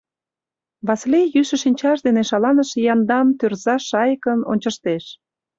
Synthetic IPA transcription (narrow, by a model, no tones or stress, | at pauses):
βɑslejyʃə̆ʃinʲt͡ɕɑʃd̪eneʃɑlɑnəʃjɑnd̪ɑnt̪ørzɑʃɑjəkəno̰nʲt͡ɕəʃt̪eʃ